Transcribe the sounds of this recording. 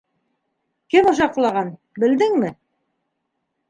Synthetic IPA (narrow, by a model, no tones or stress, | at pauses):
kɘmŏʃ̬ɑq̆lˠɑʁɑn | bɘ̆ld̪ɘŋmɘ